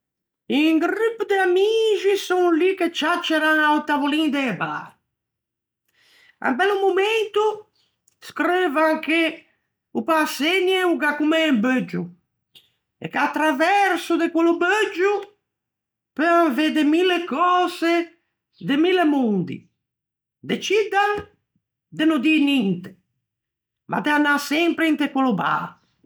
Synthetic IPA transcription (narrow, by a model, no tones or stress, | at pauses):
iŋɡɾypd̪eamiʒisuŋliket͡ʃat͡ʃːeɾaŋawt̪avulind̪eba̰ | a̰mbɛlumument̪u | skɾevaŋke | upaseɲɛuɡakumɛmbød͡ʒu | ɛ̰kːat̪ːɾavɛɾsud̪ekwolubød͡ʒu | pevaɱved̪emilːekɔːze | d̪emilːemund̪ḭ | d̪et͡ʃid̪aŋ | d̪enod̪inint̪e̥ | mʔa̰d̪eanːasɛmpɾeint̪ekwoluba̰ɾ